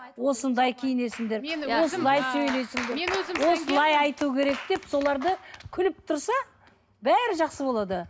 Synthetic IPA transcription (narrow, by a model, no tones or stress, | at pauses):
wo̞sənd̪ɑjkʲʰejɪne̞sɪŋd̪e̞ɾwo̞sənd̪ɑjsɵjle̞sɪŋd̪eɾwo̞səlˠɑjɑjt̪ukʲʰe̞ɾe̞k̚d̪̥e̞pso̞lˠɑɾd̪əkʲʰʏlɪp̚t̪ʰʊɾsɑ | bæɾɪʒɑqsəbo̞lˠɑd̪ə